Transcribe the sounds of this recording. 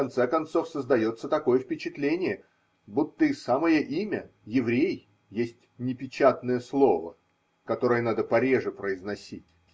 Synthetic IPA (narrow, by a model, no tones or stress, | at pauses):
kɐnt̪sɛkɐnt̪so̞fsəzd̪ɐjo̞t̪sːət̪ɐko̞jəfpʲɪt͡ɕɪt̪lʲenʲɪjə | but̪ːəɪsaməjəʔimʲə | jɪvɾʲej | jesʲtʲnʲɪpʲɪt͡ɕat̪nəjəslˠo̞və̰ | kɐt̪o̞ɾəjənad̪əpɐɾʲe̞ʐɨpɾəɪznɐsʲitʲ